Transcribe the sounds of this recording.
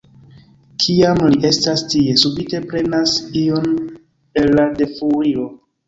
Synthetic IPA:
kʰiamliʔe̞stastie̞subite̞pɾe̞nasio̞n | e̞lːade̞fuɾio̞

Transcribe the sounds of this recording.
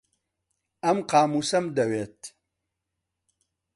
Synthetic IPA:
ɐmqaːmusɐmd̪ɐweːt̪̚

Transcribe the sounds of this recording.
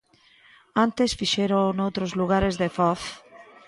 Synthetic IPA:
ant̪esfiʃeɾonowt̪ɾozluɣ̞aɾezðefɔθ

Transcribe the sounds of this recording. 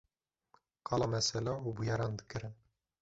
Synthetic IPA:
qʰɑlˠɑmæsælæubujɑɾɑnd̪ɘkɘ̆ɾɘn

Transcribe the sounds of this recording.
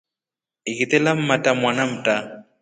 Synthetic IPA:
ɪkʼɪt̪ʼɛlam̩matʼamwanam̩tʼa

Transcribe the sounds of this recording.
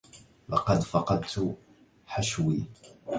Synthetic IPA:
lɑ̰qɑd̪fɑqɑd̪t̪ʰu | ħaʃwi

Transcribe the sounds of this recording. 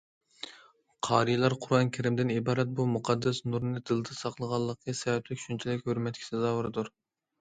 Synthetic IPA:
qʰɑːɾijlˠɑɾqʰʊɾɑnkʲʰeɾɪmd̪ɪnibɑːɾɛt̪̚bumuqʰɑd̪ːɛsnuɾnɨd̪ɨlˠɨd̪ɨsɑqlˠəʁɑlˠːəqəsɛvɛt̪ʰlɪkʲʃynt͡ʃʰilɪkʲhøɾmɛt̪̚kʲi̥sɪzɑːwɨɾɨd̪uɾ

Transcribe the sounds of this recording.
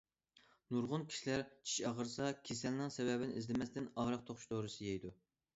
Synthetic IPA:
nuɾʁʊnkʲʰi̥ʃilæɾt͡ʃʰi̥ʃɑʁəɾsɑkʲʰesɛnlɨŋsɛwɛbɪnɪʔizlɪmɛst̪ɪnɑʁɾəq̚t̪ʰoχʊ̥ʃt̪ʰoːɾɨsɨjɛjd̪u

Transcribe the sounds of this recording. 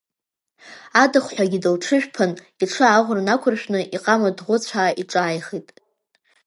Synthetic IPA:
adɨχʷħʷᶣaɡʲidɨlʈ͡ʂʰɨʒᶣpʰan | iʈ͡ʂʰɨaʁʷrnakʷʰʊrʃᶣnɨʔiqʼamadʁʷʊt͡ɕʷʰaːʔiʈ͡ʂʼaːjχitʼ

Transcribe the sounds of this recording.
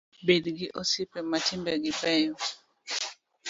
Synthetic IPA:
bedɡɪʔosipɛmatimbɛɡɪpɛjɔ

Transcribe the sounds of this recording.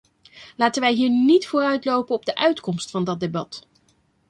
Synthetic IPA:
laːtənʋɛjɦiːɹnitfʊːrœɥtlowpənɔb̚dəʔœɥtkɔmstfɑndɑdebɑt

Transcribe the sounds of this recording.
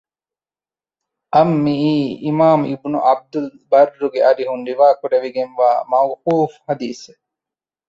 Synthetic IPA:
ʔɐmːiʔiːimaːmibnṵʔɐb̚d̪ulbɐɾːuɡeɐɾiɦuɳɖ̪iʋaːkuɖeʋiɡenʋaːmɐwquːfhɐd̪iːse

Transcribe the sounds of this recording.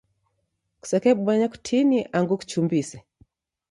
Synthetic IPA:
ku̥sɛkɛɓɓwaɲaku̥tʰiniʔaŋɡuku̥t͡ʃumbisɛ

